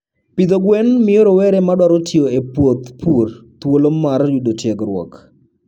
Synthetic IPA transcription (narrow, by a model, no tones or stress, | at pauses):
pɪd̪oɡwɛnmɪoɾowɛɾɛmadwaɾotʰjoepwot̪purt̪wolomːarjudotjeɡɾwɔ̰k